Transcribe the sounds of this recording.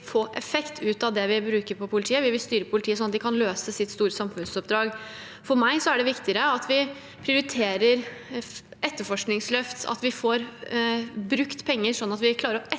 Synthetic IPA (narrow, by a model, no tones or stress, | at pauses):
foːʔɛfɛkt̪ʰʉːt̪ɑʋd̪ɛʋɪbɾʉːkəɾpɔpʰʊlɪt̪ʰiːəʋɪʋɪlst̪yːɾəpʰʊlɪt̪iːəsɔnɑt̪d̪ɪkʰɑnløːsəsɪt̪st̪uːɾəsɑmfʉnsɔp̚d̪ɾɑːɡ | fɔɾmæɪsɔæɖɛʋɪkt̪ɪɾəɑt̪ʰʋɪ | pʰɾɪʊɾɪt̪ʰeːɾəɾ | ɛt̪ːəfɔʂknɪŋslœft̪ɑ̰t̪ʋɪfoɾ | bɾʉkt̪pʰɛŋːəɾʂɔnːɑt̪ʋɪkʰlɑːɾəɾɔʔɛ